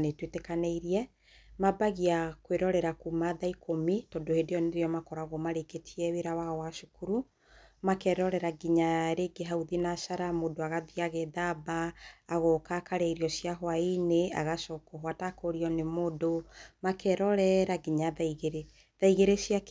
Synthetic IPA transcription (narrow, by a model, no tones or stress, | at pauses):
netwetekaneiɾiɛ | mabaɣiakweɾɔɾɛɾakumaðaikʰomitɔdohedeɔneɾeɔmakɔɾaɣɔmaɾeketʰiɛweɾawaɔwaʃukuɾu | makɛɾɔɾɛɾaɡiɲaɾeɡeɦauðinasaɾamoːdoaɣaðiaɣeðabaːɣɔkakaɾɛiɾiɔsiaɦwainea̰ɣaʃɔkɔɦwatakoɾiɔnemodomakɛɾɔɾɛɾaɡiɲaðaiɣeɾe | ðaiɣeɾesiak